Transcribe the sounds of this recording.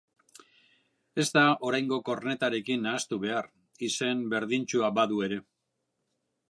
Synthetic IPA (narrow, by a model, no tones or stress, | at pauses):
e̞zt̪ao̞ɾajŋɡo̞ko̞rne̞t̪aɾe̞kinːaːst̪uβe̞aɾ | ise̞mbe̞ɾð̞int͡ʃuabaðue̞ɾe̞